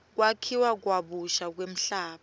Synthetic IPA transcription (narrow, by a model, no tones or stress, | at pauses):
k̬wakʰiwak̬waɓuʃak̬wem̩ɬaːɓa